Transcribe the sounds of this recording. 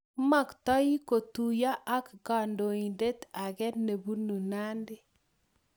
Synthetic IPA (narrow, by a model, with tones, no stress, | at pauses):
ma˦˨kt̪a˦ji˦ko˨t̪u˨ja˦ʔa˦kɡa˨ndo˨i˨nde˦t̪a˨ɡɛ˦ne˨bu˦nu˨na˦ndɪ˦